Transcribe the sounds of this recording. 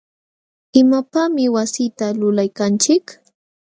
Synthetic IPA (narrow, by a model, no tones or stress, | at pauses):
ɪmapamɪwasit̪alʊlajkant͡ʃɪk